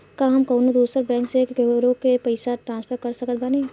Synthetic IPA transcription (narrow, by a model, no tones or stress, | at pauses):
kaːɦɐmkɐːnod̪uːsəɾbɛ̃ːŋksekɡeɾõkepɐɪsaʈɾãːnspʰəɾkɐɾsɐkət̪̚bane